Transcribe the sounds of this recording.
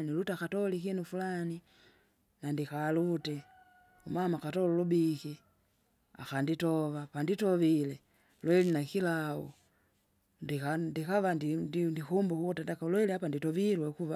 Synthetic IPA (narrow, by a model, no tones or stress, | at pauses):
nilutakatɔlikinufulani | nandikalutɛ | umamakatɔlulubiki | a̰kanditɔvapanditɔvilɛ | lwɛlinakilaṵ | ndikandikavadndindikumbukukutandakalwɛliapanditɔvilwɛkuva